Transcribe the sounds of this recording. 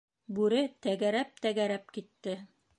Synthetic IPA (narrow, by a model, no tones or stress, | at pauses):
bʉɾɘt̪æɡæɾæp̚t̪æɡæɾæp̚kit̪ːɘ